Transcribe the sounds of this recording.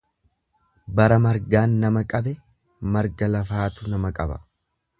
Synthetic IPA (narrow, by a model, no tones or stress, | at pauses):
bɐɾɐmɐɾɡaːnːɐmɐkʼɐbɛ | mɐɾɡɐlɐfaːt̪ʊnɐmɐkʼɐbɐ̰